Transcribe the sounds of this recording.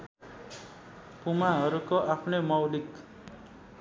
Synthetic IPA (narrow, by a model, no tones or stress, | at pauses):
pumaɦʌɾukoʔapʰnemʌwlik